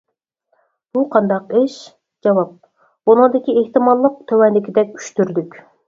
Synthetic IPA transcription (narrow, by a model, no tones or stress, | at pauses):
b̥uqʰɑnd̪ɑqeʃ | d͡ʒɑwɑp̚ | b̥unəŋd̪ɪkʲieht̪ɨmɑlˠːəq̚t̪ʰøwɛnlɪkʲʰid̪ɛkʲy̥ʃt̪yɾd̪ykʲ